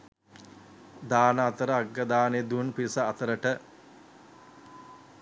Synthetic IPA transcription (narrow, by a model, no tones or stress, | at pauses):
d̪aːnɐːt̪əɾəaɡːɐd̪aːned̪unpiɾisɐːt̪əɾəʈə